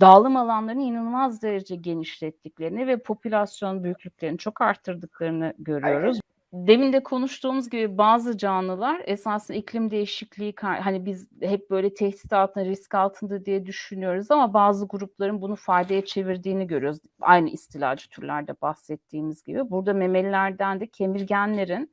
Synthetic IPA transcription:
d̪aːlˠɯmalˠanlˠaɾɯnjinɯlˠmazd̪e̞ɾed͡ʒɛɟe̞niʃlʲɛt̪ʰːiclʲe̞ɾinivɛpʰo̞pʰylʲasjo̞nbyjycʲlʲycʲlʲeɾinit͡ʃʰo̞kaɾt̪ʰːɯɾd̪ɯk̚lˠaɾɯnɯɟø̞ɾyjo̞ɾuz | d̪e̞mind̪ɛkʰo̞nuʃt̪ʰuːmuzɟibibaːzɯd͡ʒaːnɯlˠaɾesaːsɯnicʰlʲimd̪e̞jiʃiclʲiikʰaɾɦanibizhɛp̚bø̞jlʲɛt̪ʰɛhd̪i̥t̪ʰalˠt̪ʰɯnɾiscalˠt̪ʰɯnd̪ad̪ijɛd̪yʃynyjo̞ɾuzamabaːzɯɡuɾup̚lˠaɾɯnbunufajd̪ejɛt͡ʃʰe̞viɾd̪iːniɟø̞ɾyjo̞ɾuz | a̰jnɯʔist̪ʰilʲa̰ːd͡ʒɯ̥t̪ʰyɾlʲæɾd̪ɛbahsɛt̪ʰːiːmizɟḭbibuɾd̪ame̞mɛlʲːæɾd̪ænd̪ɛcʰe̞miɾɟænlʲe̞ɾin

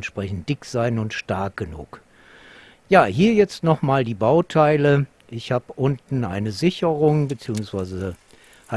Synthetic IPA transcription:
ntʃpʁ̥ɛçn̩t̚d̥ɪkz̥aɪnʊntʃtaɐk̚ɡ̥ənṵːk | jaːɦiːɐjɛt͡stnɔχmaːldiːbaʊtʰaɪlə | ʔɪçhaːbəʔʊntn̩ʔa̰ɪnəzɪçəʁʊŋbət͡siːʊŋsv̥aɪzə | ha

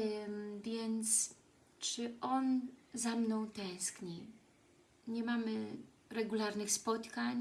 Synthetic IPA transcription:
vʲjɛnt̪s | t͡ʂɘʔɔnzamnɔ̃w̃t̪ɛ̃w̃skɲi | ɲɛmamɘ | ɾɛɡulaɾnɘxspɔt̪kaɲ

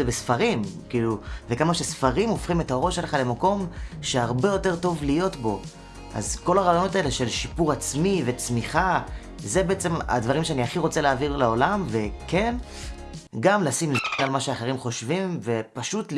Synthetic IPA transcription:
ebesfaʁimkiluvekamaʃesfaʁimo̞fχimetaʁo̞ʃeleχale̞mako̞mʃe̞aʁbe̞jo̞te̞ʁto̞vlijo̞tbo̞ | ʔa̰zko̞laʁaːjono̞taele̞ʃe̞lʃipuʁat͡smivet͡smiχa | ze̞be̞et͡sema̰dvaʁimʃeaniaχiʁo̞t͡se̞leaːviʁleolamve̞ken | ɡamlasimznalmaʃeaχeʁimχo̞ʃvimve̞paʃutl

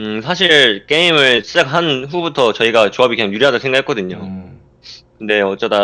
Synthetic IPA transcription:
ɯsʰaɕʰiɭk͈e̞imɯɭsʰɯ̥s͈akʰɦanɸubutʰʌt͡ɕʌiɡat͡ɕoabikɯɲaŋjuɾiɦadʌsʰŋɡaɦek͈ʌdɯɲo | kɯnde̞ʌt͡ɕ͈ʌda

